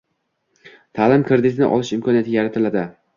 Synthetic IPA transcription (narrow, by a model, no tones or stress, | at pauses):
t̪ʰaːlɪmkʰɪɾd̪ɪt̪ʰɪnɪ̰ʔɒ̰lɪʃɪmkʰɒnijat̪ʰɪjaɾat̪ʰɪlad̪ɪ